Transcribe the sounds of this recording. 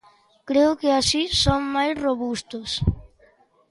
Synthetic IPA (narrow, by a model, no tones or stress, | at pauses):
kɾeʊkɪasisoŋmajsroβust̪ʊs